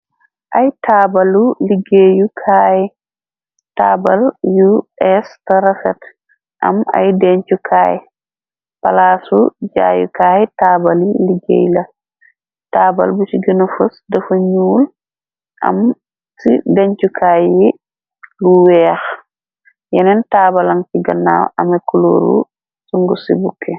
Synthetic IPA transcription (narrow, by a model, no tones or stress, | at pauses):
ʔajtabaluliɡejukʰaːjɛ | tabaljuʔɛstaɾɛsɛt | ʔa̰ma̰jdɛɲt͡ʃukʰaːjɛ̰ | palasṵd͡ʒa̰ːjṵkaːjɛtabaluliɡḛjla | taːba̰lbusiɡinufusdɐfuɲuːl | ʔa̰m | sidɛɲt͡ʃukʰaːji | luwɛx | jɛnɛntaːbalaŋsiɡɐnːa̰wʔamɐkuloɾṵ | suŋɡusibukʰːɛ